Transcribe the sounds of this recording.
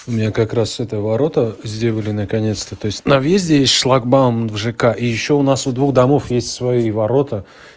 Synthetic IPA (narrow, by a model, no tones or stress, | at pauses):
ʊmʲɪnʲakɐkɾasɛt̪əvɐɾo̞t̪əzʲdʲe̞lˠəlʲɪnəkɐnʲe̞t̪st̪ət̪o̞ɪsʲtʲnɐvjezʲdʲɪjesʲtʲʂlˠaɡbamvʐɨkaʔijɪɕːo̞ʊnasʊd̪vuxd̪ɐmo̞fjesʲtʲsvɐjivɐɾo̞t̪ə